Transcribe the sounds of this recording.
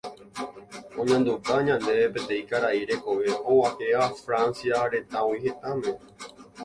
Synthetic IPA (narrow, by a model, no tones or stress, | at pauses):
õɲãnd̪ut̪aɲãnd̪e̞epẽ̞t̪ẽ̞ĩkaɾaiɾe̞ko̞ʋe̞õwaheafɾansiaɾe̞t̪awihe̞t̪amẽ